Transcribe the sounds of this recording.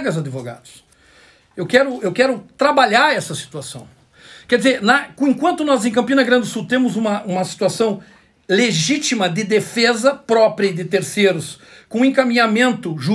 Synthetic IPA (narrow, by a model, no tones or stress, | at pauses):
ɡɐzad̪ɪvoɡa̰d̪ʊs | ewkɛɾʊewkɛɾʊt̪ɾabaʎaɾɛsɐsi̥t̪uasɐ̰̃w̃ | kɛɾd̪ɪzeɾnɐkõẽkwɐ̃nt̪ʊnɔzẽj̃kɐ̃mpĩnɐɡɾɐ̃d̪ɪʊsuwt̪ẽmʊzũmɐʔũmɐsi̥t̪uasɐ̃w̃ | leʒit͡ʃ̪imɐd̪ɪd̪efezɐpɾɔpɾiɐɪd̪ɪt̪eɾseɾʊskõẽkamĩɲamẽnt̪ʊʒu